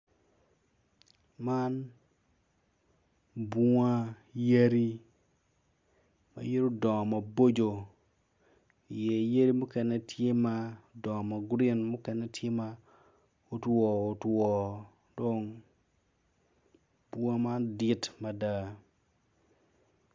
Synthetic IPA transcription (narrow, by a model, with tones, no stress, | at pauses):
ma˦n | ba˦ | je˦ɾi˦ | ma̰˨je˦ɾo˦dɔ˨ma˨bo˦d͡ʒo˨ | i˨je˨je˦ɾi˦mu˦kɛ˦nɛ˦tje˦ma˦dɔ˨ma˨ɡɾi˦nmʊ˦kɛ˦nɛ˦tʰje˦ma˦ | o˦twɔ˨o˨twɔ˨ | dɔ˦ŋ | bu˦a˦ma˦ndɪ˦tma˨da˦˨